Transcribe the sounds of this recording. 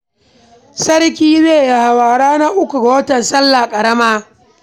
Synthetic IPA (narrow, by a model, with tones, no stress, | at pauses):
sɐ˦ɽkʲiː˦zeː˦˨ja˨ha˨waː˨ɽaː˦na˦ʔʊ˦kʷu˨ɡa˨wɐ˦tɐ˨nsɐ˦lːa˨kʼɐ˨ɽɐ˦maː˦